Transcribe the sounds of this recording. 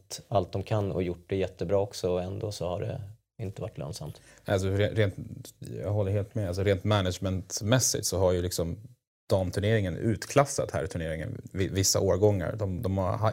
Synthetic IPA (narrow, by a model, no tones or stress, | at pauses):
t̪alt̪̚d̪ɔmkʰanːɔ̰jʊʈːɖɛjɛt̪ːəbɾɑːɔksɔɔɛnd̪oːsɔhaɖɛ̰ | ɪnt̪əvaʈːlœ̰ːnsa̰mt̪ | als̬ɔɾenɾeːnt̪jɑ̰ːɡɦɔlːəɾɦeːlt̪mɛals̬ɔɾeːnt̪mænadd͡ʒmɛnt̪mɛsːɪ̰t̪sɔɦaɾjɵlɪksɔm | d̪̥ɑːmt̪ʰɵɳeːɾɪŋənʉ̟ːt̪kʰlasːa̰t̪hæ̰ɾt̪ʰɵɳeːɾɪŋə̰nvɪvɪsːa̰ʔoːɾɡɔŋːa̰ɾd̪ɔmd̪ɔmaɦa